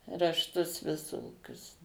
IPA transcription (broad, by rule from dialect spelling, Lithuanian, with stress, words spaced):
rɐʃˈtʊs ʋʲɪˈsoːkʲʊs